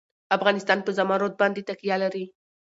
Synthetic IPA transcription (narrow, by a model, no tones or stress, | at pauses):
afɣɑnɪst̪ɑnpəzamɑɾot̪̚bɑnd̪et̪akijalaɾi